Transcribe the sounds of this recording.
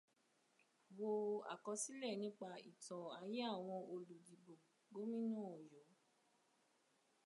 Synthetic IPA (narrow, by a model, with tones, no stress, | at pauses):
bo˧a̰˨kɔ˧si˦lɛ˦˨nĩ˦k͡pa˧ḭ˨tɔ̃˨a˧je˦a˦˨w̃ɔ̃˧o˧lu˨di˨bo˨ | ɡo˦mĩ˦nɔ̃˦˨o˨jɔ˨˦